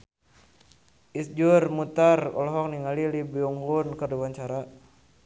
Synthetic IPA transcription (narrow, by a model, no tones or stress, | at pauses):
isd͡ʒurmut̪arɔ̰lɔɦɔk̚niŋalilibiuŋɡunkərduwaɲt͡ʃaɾa